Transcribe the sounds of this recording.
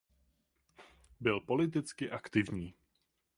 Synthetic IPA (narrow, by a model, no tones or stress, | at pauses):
bɪlpo̞lɪt̪̬ɪt͡skɪʔakt̪ɪvɲiː